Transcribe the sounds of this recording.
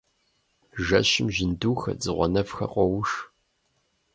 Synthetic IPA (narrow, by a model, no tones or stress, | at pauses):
ʒɐɕɪmʒɪnduːxɐ̰d͡zɨʁʷɔ̰nɐfxɐ̰qʷʼɔwʂ